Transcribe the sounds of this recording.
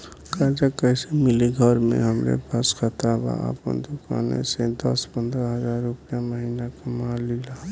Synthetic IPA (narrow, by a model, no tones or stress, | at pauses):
kad͡ʒakəɪsemɪliɡʱəɾmḛ̃ɦəmɾḛpaskʰət̪aba̰ə̰pə̰nd̪uka̰nḛsed̪əspənd̪ɾəɦəzaːɾːupjaməɦinakəmalila